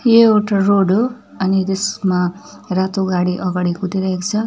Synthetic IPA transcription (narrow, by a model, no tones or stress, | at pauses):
jeoʈaroɽo | ʌnit̪esma | rat̪oɡaɽiʔʌɡaɽikut̪iɾʌɦekt͡sʰʌ